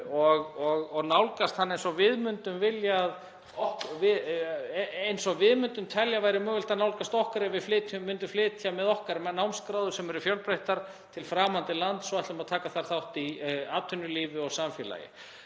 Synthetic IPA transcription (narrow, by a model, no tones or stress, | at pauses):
ɔɣɔɣɔɣnawlkast̪hanːejnsɔɣvɪðmʏnt̪ʏmvɪljaːð | ɔhvɪ | ejnsɔɣvɪðmʏnt̪ʏmt̪ʰɛljavaːjɾɪmœːɣʏl̥t̪anawlkast̪ɔhkaɾɛvɪflɪːt̪ʰʏmːʏnt̪ʏflɪːt̪ʰjamɛðɔhkaɾmnawmskɾaːðʏ̥sɛmɛɾʏfjœlpɾejht̪aɾ̥ | t̪ʰɪlfɾaːmant̪ɪlant̪sɔvaht̪ʏmaðt̪ʰaːkaθaɾ̥θawht̪iaːt̪ʰʏnːʏlivɪɔɣsamfjɛla̰jɪ̰